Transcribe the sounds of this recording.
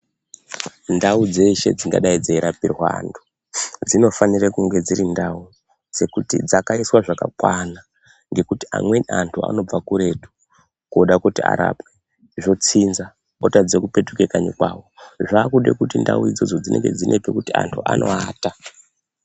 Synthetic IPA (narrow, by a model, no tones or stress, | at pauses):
ndaud͡ze̞ʃe̞̰d͡ziŋɡa̰ɗaid͡zeiɾapirwaːntʰu̥ | d͡zino̞fanirakuŋɡe̞d͡ziɾindau | d͡ze̞kutḭd͡zakaiswaʐaka̰kwana | ŋɡe̞kutia̰mwe̞antʰua̰no̞b͡vakuɾe̞tu̥ | kuɗakutia̰ɾa̰pwe | ʐo̞t͡sinza | otad͡zekupe̞tukekaɲikwawo̞ʐaːkuɗḛkutinda̰uid͡zo̞d͡zo̞d͡zinʔe̞̰ŋɡe̞̰d͡zinʔepekutia̰ntʰuʔa̰nʔo̞̰aːta